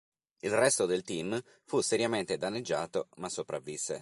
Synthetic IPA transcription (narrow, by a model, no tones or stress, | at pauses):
ilrɛst̪od̪elt̪im | fusːeɾjament̪ed̪anːed͡ʒːaːt̪omasːopɾavːisːḛ